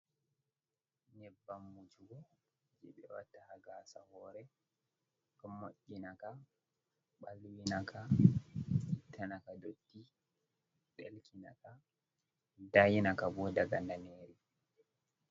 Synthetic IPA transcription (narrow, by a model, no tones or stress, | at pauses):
nɛbːamːut͡ʃuɡɔ | d͡ʒɛɓɛwa̰tːahaɡasa̰hɔːɾɛ | kɔmoʔːinaka | ɓalwinakʰa | itːanakadotːi | ɗɛ̰lkina̰ka | dajinakabɔːdaɡandaneːɾi